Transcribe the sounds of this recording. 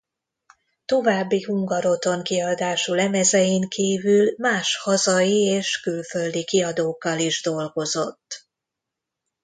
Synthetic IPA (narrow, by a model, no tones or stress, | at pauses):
t̪o̞vaːbːihuŋɡɒɾo̞t̪o̞ŋkiɒd̪aːʃulɛmɛzɛjiŋkʰiːvylmaːʃhɒzɒjieːʃkylfø̞ld̪ikiɒd̪oːkːɒliʒd̪o̞lɡo̞zo̞t̪ː